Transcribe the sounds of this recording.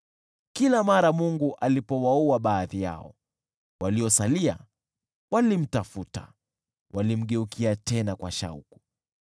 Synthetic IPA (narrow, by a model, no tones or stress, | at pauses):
kilamaɾamuŋɡuʔalipɔwauaɓaːðija̰ɔ̰ | waliɔsalia̰ | walim̩tafuta̰ | wʔalim̩ɠɛukʰiatɛnakwa̰ʃa̰ṵku̥